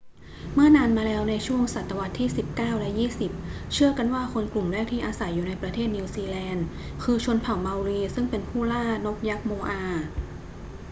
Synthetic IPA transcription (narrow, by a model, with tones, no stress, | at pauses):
mɯ˥˩ɐnaː˧nmaː˧lɛː˦˥wna˧jt͡ɕʰu˥˩əŋsa˨˩t̪ːa˧wa˦˥t̪ʰːiː˥˩si˨˩p̚kaː˥˩wlɛ˦˥jiː˥˩si˨˩p̚ | t͡ɕʰɯ˥˩ɐka˧nwaː˥˩kʰo˧nklu˨˩mɾɛː˥˩k̚t̪ʰiː˥˩ʔaː˧sa˩˦jːuː˨˩na˧jpɾa˧t̪ʰeː˥˩t̪̚ni˧wsiː˧lɛː˧n | kʰɯː˧t͡ɕʰu˧ənpʰa˨˩˦wma˧wɾiː˧sɯ˥˩ŋpe˧npʰuː˥˩laː˥˩no˦˥k̚ja˦˥k̚moː˧ʔaː˧